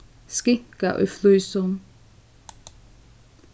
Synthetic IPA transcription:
skɪkaʔœ̰flʉːsɔn

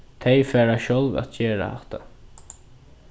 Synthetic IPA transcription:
t̪ʰejfæːɾaʃɔlvæ̰t̪̚d͡ʒeːɹa̰ha̰ht̪a̰

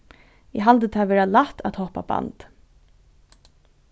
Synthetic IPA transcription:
ɪɦalt̪ət̪ʰaːʋeːɹalat̪at̪hɔhpa̰ba̰nt̪

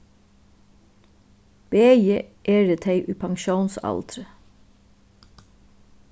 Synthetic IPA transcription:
b̥eːjəʔeːɹət̪ʰeɪʔʉːpʰɑŋʃuːnsɑ̰lt̪ɾə

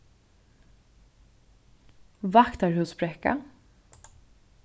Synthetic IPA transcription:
vakt̪æːɹhʉspɾɛka̰

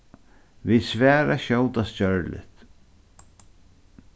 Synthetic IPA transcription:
visvɛːɾaʃɔwt̪ascœɹlɪ̰t̪

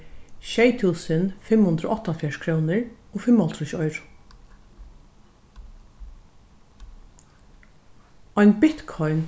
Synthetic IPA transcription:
ʃɛjt̪ʰuːsənfɪmhʊnd̪ɾʊ̰ʔɔht̪ːafjaʂkʰɾuːnɪɹoːfɪmːɔlt̪ɾʊʃɔjɾʊ̥ | ɔjnbɪt̪kʰɔjn

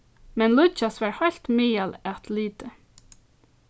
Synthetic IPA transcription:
mɛnlʊt͡ʃasʋaɹhɔjlt̪miːjalæt̪liːt̪ə

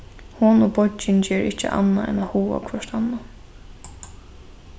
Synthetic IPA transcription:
hʊnobɔt͡ʃɪnt͡ɕɛːɹɪht͡ʃə̰ʔa̰nːaɛ̰nahuːa̰kʰvɔʂt̪anːa

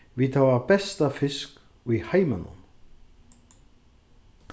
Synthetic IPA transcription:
vit̪havabɛst̪afɪsk | ujhajmanʊ̰n

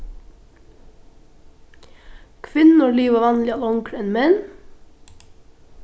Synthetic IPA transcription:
kʰʋɪnn̩oliːʋəːʋɑnlɪɑlʊŋkʰɾɛnmɛn

